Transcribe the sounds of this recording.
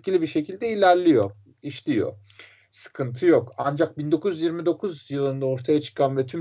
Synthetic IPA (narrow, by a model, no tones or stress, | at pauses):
cʰilʲibiɾʃe̞cʰilʲd̪ɛilʲæɾlʲijo̞ | iʃlʲijo̞̰ | sɯ̥kʰɯnt̪ʰɯjo̞kand͡ʒak̚bind̪o̞kʰuzyjiɾmid̪o̞kʰuzjɯlˠɯnd̪ao̞ɾt̪ʰajat͡ʃʰɯ̥kʰanvɛt̪ʰym